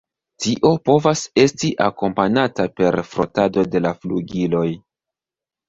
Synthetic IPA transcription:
tiʔo̞po̞vase̞stiʔako̞mpanatape̞ɾfɾo̞̰tado̞de̞lafluɡilo̞j

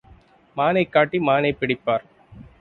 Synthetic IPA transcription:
maːnɐɪkːaːʈːimaːnɐɪpːɪɽɪpːaːɾ

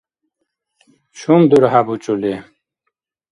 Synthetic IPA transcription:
ɕumd̪uɾhabut͡ɕule

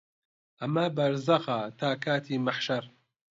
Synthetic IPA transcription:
ʔamːaːbɐɾˤzaɣaːt̪aːkaːt̪iːmaħʃɑɾˤ

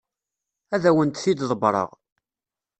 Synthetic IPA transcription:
æðæwənt̪θid̪ðˤəbɾˤə̰ʁ

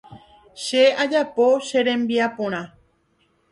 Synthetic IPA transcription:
ʃead͡ʒapoʃeɾẽmbiapũɾ̃ã

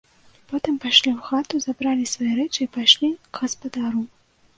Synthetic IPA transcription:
pɔt̪ɨmpajʂlʲiwxat̪uzabɾalʲisvajɛɾɛt͡ʂɨipajʂlʲiɣɐspad̪aɾu

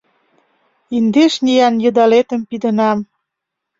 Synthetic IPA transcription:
ind̪eʃnʲijɑnjə̆d̪ɑlet̪ə̆mpid̪ənɑm

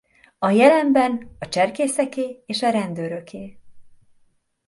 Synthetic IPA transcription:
ɒjɛlɛmbɛnɒt͡ʃɛrkeːsɛkeːeːʃɒɾɛnd̪øːɾø̞kʰeː

